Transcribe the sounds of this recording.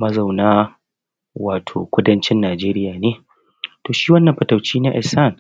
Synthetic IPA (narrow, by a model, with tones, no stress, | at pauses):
mɐ˦za˨wnaː˦ | waː˨tʰo̰ː˨kʷʊ˦dɐ˦nt͡ʃɪ˦nːaː˨d͡ʒeː˦ɾɪ˦jaː˨neː˦ | toː˨ʃiː˦wɐ˦nːɐ˨mɸɐ˨tɐ˨wt͡ʃiː˦na˦ʔɪ˨sa˦˨n